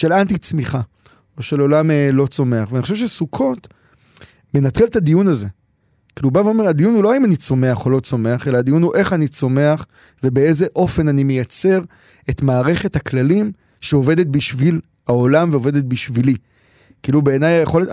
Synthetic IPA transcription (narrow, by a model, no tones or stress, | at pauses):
ʃe̞lant̪̬it͡smiχa | oʃe̞lo̞lamlo̞t͡so̞me̞aχveanioʃevʃesukʰo̞t | me̞nat̪χiletadijunaze | kiːlubaveo̞meʁadijunhuloaimanit͡so̞me̞aχo̞lo̞t͡so̞me̞aχe̞laad̪ijunhuʔe̞χanit͡so̞me̞aχ | ve̞be̞ezeʔo̞fe̞nanimejat͡se̞ʁ | etmaːʁe̞χe̞thaklalim | ʃeo̞ve̞det̪̚biʃvil | aolamveove̞det̪̚biʃvili | kiilube̞ːnajjeχo̞let